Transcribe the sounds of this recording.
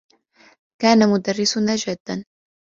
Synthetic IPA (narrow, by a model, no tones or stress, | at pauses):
kaːnamʊd̪arːɪsʊnad͡ʒad̪ːan